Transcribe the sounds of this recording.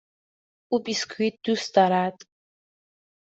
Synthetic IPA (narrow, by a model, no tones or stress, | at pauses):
upʼiskʷʰit̚d̥ustʼaɾatʼ